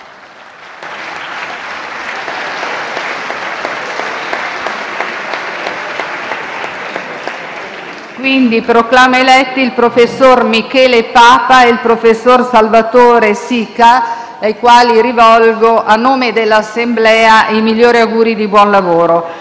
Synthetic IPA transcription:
kwind̪ipɾoklaːmaelɛt̪ːiːlpɾofesːormikɛːlepaːpaeilpɾofesːorsalvat̪oːɾesiːka | ajkwaːliɾivɔlɡoʔanːoːmed̪elːasːemblɛːaʔimilːoːɾiaɡuːɾid̪ibwɔnlavoːɾo

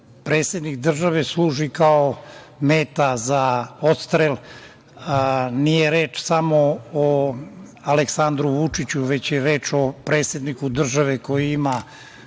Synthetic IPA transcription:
pɾet̪sjed̪nikd̪r̩ʒaʋe̞sluːʒikao | meːt̪azaot̪st̪ɾel | nijeɾeːt͡ʃsamoo | aleksand̪ɾuʋut͡ʂit͡ɕuʋe̞t͡ɕjeɾeːt͡ʃo̞pɾeːt̪sjed̪nikud̪r̩ʒaʋeko̞jiima

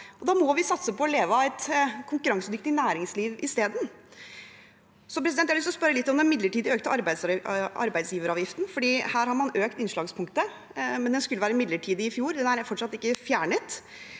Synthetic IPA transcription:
ɔd̪ɑːmɔʋɪsɑt̪səpɔːleːʋəæɪt̪kʰʊŋkʉɾɑŋsəd̪ʏk̚t̪ɪnæːɾɪŋsliːʋɪst̪eːd̪n̩ | sɔpɾɛsɪd̪ɛnjæɑlʏst̪ɔspœɾːəlɪt̪ːɔmd̪ɛnmɪd̪ləʈiːd̪əøːkt̪əʔɑɾbæɪsɑ̰ɾbæɪd̪sjiːʋəɾɑːʋjɪft̪n̩fɔɖiːhæːɾhɑɾmɑnøːkt̪ɪnʂlɑːɡspʰʊŋk̚t̪ə | mɛnd̪ɛnskʉlːəʋæːɾəmɪd̪ləʈʰiːd̪əɪfjuːɾd̪ɛnæɾfɔʈʂɑt̪ːɪkːəfjæːɳət̪

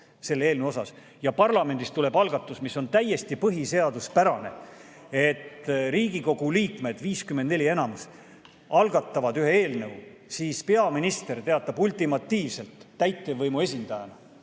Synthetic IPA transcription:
se̞lːe̞ːlnewo̞sɑs | jɑpɑrlɑme̞nd̪ist̪ule̞bɑlɡ̥ɑt̪ˑːusmisːo̞nt̪æjːe̞st̪ipɤɦise̞ɑd̪̥uspæɾɑne̞̰ | e̞t̪ːriːɡ̥iko̞ɡ̥uliːkme̞d̪̥viːskymend̪ne̞lʲie̞nɑmus | ɑlɡ̥ɑt̪ːˑɑvɑd̪̥yɦe̞e̞ːlnɤw | siːspe̞ɑminist̪e̞rt̪e̞ɑt̪ːˑɑbult̪imɑt̪ːiːvse̞lt̪ːæjt̪ːˑevɤjmue̞s̬ʲind̪̥ɑjɑ̰nɑ

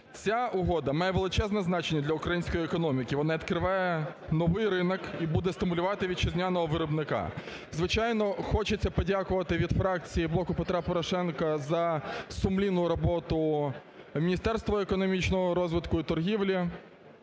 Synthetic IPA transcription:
t͡sʲaʊɦɔd̪ɐmɑjɛʋelˠɪt͡ʃɛznɛznɑt͡ʃenʲːɐd̪lʲɐʊkɾɐjinʲsʲkɔjiekɔnɔmʲikʲɪʋɔnɑit̪kɾɪʋɑjɛnɔʋɪjɾɪnɔkibud̪ɛst̪ɪmʊlʲʊʋɑt̪ɪʋʲid̪̚t͡ʃɪzʲnʲanɔɦɔʋɪɾɔbnɪkɑ̰ | zʋɪt͡ʃɑjnɔxɔt͡ʃet͡sʲːɐpɔdʲakʊʋɐt̪ɪʋʲid̪fɾɑk̚t͡sʲijiblˠɔkʊpet̪ɾɑpɔɾɔʃɛnkɐzɐsʊmlʲinʊɾɔbɔt̪ʊ | mʲinʲist̪ɛrst̪ʋɔekɔnɔmʲit͡ʃnɔɦɔɾɔzʋɪt̪kʊit̪ɔrɦʲiʋlʲi

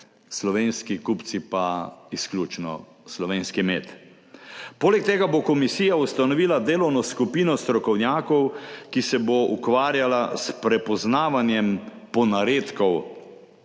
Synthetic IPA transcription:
slɔʋeːnskikupt̪sipaisklʲjuːt͡ʃnɔ̰ | slɔʋeːnskimeːt̪ | poːlɛk̚t̪eːɡabokɔmisiːjaust̪anɔʋiːlad̪eːlɔwnɔskupiːnɔst̪ɾɔkɔwnjaːkɔwkisɛboʔukʋaːɾjalaspɾɛpɔznaːʋanjɛmpɔnaɾeːt̪kɔw

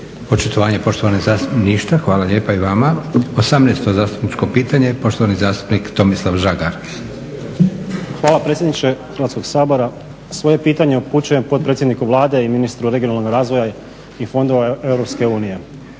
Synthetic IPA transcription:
pot͡ʃit̪oʋaːɲepo̞ʃt̪oʋanozaːst̪upniʃt̪axʋaːlaʎeːpaiʋamaosamnejst̪ozaːst̪u̥pnit͡ʃko̞piːt̪aɲepo̞ʃt̪oanizaːst̪u̥pnikt̪o̞mislˠaʋʒaɡaɾ | xʋaːlˠapɾe̞t̪sjed̪nit͡ʃe̞xɾ̩ʋat̪sko̞ɡsaːbo̞ɾa | sʋo̞je̞piːt̪aɲe̞uput͡ʃuje̞mpo̞t̪̚pɾet̪sjed̪nikuʋlˠaːd̪e̞iminist̪ɾuɾe̞ɡionalnoɡɾaːzʋo̞ja | ifo̞nd̪oʋaevɾo̞pske̞uːnije̞

